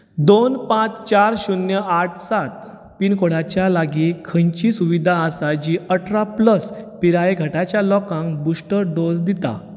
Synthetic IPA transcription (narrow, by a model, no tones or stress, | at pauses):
d̪onpãt͡st͡ɕaɾɕunjəʔaʈʰsat̪̚ | pinkoɽat͡ɕjalaɡikʰə̃ɲt͡ɕiːsuʋid̪ʱaəsad͡ʑiʔəʈɾapləspiɾajeɡʱəʈat͡ɕjalɔkãŋkbusʈəɾɖ̪osd̪it̪a̰